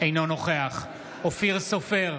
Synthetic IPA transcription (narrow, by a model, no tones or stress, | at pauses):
ejnonoχeaχ | ofiʁsofeʁ